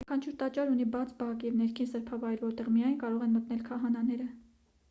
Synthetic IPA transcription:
kʰɑnt͡ʃʰuɾt̪ɑt͡ʃɑɾunibɑt͡sʰbɑkjɛvn̪ɛɾkʰinsəɾpʰɑvɑjɾvɔɾt̪ɛʁmijɑjnkɑɾɔʁɛnmət̪nɛlkʰɑɦɑnɑnɛɾə

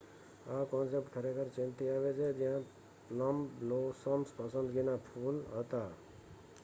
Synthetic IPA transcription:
akɔnsep̚ʈkʰəɾekəɾt͡ʃĩnt̪iabed͡ʒed͡ʒiɦã | pləmblosɔmspəsənd̪ɡinapʰulɦət̪a

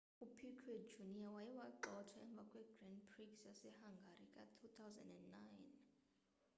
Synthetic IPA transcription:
upʰikʰɛd͡ʒuniawajiwaǃɔtʰwaɛmb̪vʱakʼwɛɡrɛndpʰriksjasɛhaŋɡʱaɾikʼa̰tʰut̪ʰawzɛ̰̃ndɛndːajn

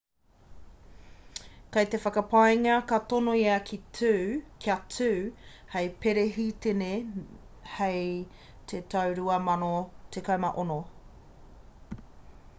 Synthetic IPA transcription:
kɐjt̪e̞fɐkɐpajŋɐkɐt̪onoiɐkʰitʰʉːkʰjɐtʰʉːhejpeɾeɦitene | hej | t̪ʰetɐwɾuɐmɐnot̪ekamɐʔono

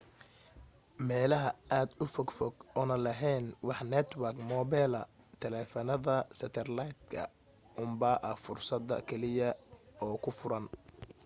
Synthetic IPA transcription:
mɛːlɐɦɐʔaːd̪ʊfɔɡfɔɡɔːnɐlɐɦɛːnwɑħnɛt̪ʰwɐrkmɔːbɛːlɐ | t̪ʰɛlɛːfɐnɐðɐsɐt̪ʰɛrlajt̪kʰɐ̰ | ʔʊmbɐʔɐfʊrsɐd̪ɐ̰kʰɛlɪjɐɔːkʰʊfʊɾɐn

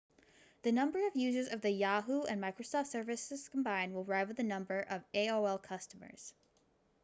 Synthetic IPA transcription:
ðɨnʌ̃mbə˞ʌvjʉzə˞zʌvðɨjɑɦuɨ̰̃nmaɪkɹosɔftsɜ˞vɨsɨz̥kʰm̩bãɪ̃n̚wəlˠɹaɪvwɨðɨnʌ̃mbə˞ʔʌveɪoʊɛlˠkʰʌstəmə̰˞z̥

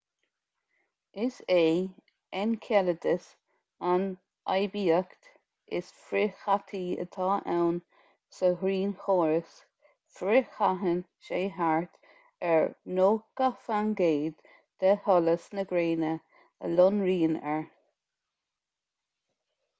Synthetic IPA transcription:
ɪseː | ɛnkʰɛləd̪əs | an | ʔa̰jbiːəkt̪ | ɪ̰sfɾɪxat̪ʰiːə̰t̪ʰɑːʔɛwn | səhɾiːnxoːɹəs | fɾɪxaɦən | ʃeːɦaɹt̪ | ɛɹnoːkafanɡeːd̪ | d̪̥əhɔləsnəɡɾeːnə | ə̰lɔnɹiːnɛɹ

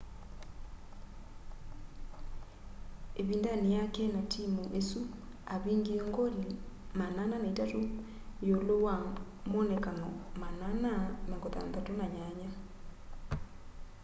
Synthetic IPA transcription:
eβindanejakɛnatʰimuʔesu | aβiːŋɡieŋɡoɾi | manananaitato | jolowa | monekanɔmanananaŋɡoða̰nðatonaɲaɲa

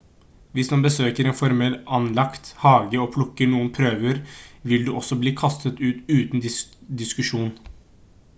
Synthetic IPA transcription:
ʋɪsmɑnbəsøːkəɾeːnfɔɾmɛlɑnlɑkt̪hɑːɡəɔːpʰlʊkːəɳuːənpʰɾøːʋəɾʋɪld̪ʉʔɔsɔbliːkʰɑst̪ət̪ʉːt̪ʉːt̪n̩d̪d̪ɪskʉʂuːn

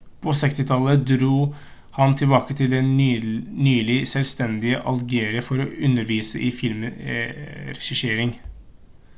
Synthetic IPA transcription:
pʰɔsɛkst̪ɪt̪ʰɑləd̪ɾuː | hɑnt̪ʰɪlbɑːkət̪ʰɪld̪ɛnnyːlɪsɛlst̪ɛnd̪ɪəʔɑlɡeːɾɪəfɔɾɔʉnːəɾʋiːsəʔɪfɪlm | ɾɛʂɪʂeːɾɪŋ

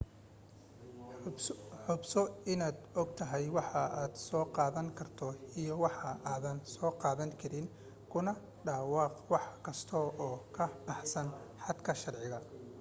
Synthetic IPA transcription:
ħʊbsɔɪnaːd̪ɔɡ̚t̪ʰɐɦɛjwɑħɑaːd̪̥sɔːqɑːðɐŋkʰɐrt̪ʰɔijɔwɑħɑaːðɐnsɔːqɑːðɐŋkʰɐɾɪŋ | kʰʊnɐ | ɖaːwɑːqwɑħkʰɐst̪ʰɔɔːkʰɐbɑħsɐnħɑd̪kʰɐʃɑrʕɪɣɐ

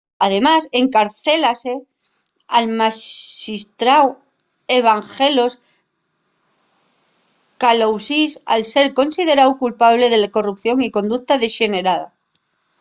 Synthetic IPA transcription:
að̞e̞mase̞ŋkaɾθe̞lase | almaist̪ɾaw | eβ̞aŋxe̞lo̞s | kalowsisa̰lse̞ɾko̞nsið̞e̞ɾawkulpaβ̞le̞ðelako̞rup̚θjo̞ŋiko̞nd̪ukt̪aðe̞ʃe̞ne̞ɾað̞a̰

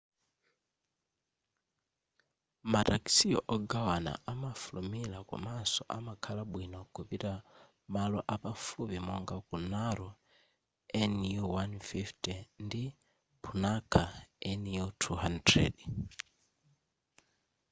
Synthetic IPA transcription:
mataksiɔ̰ʔɔɡawana̰ʔamafulumilakṵmasɔʔa̰makʰalaɓwinɔkʰupiɾa | malɔʔapafupimɔŋɡakunaɾɔ | ɛnuwanfiftɛndi | pʰunakʰaɛnutʰuhandrɛ̰d

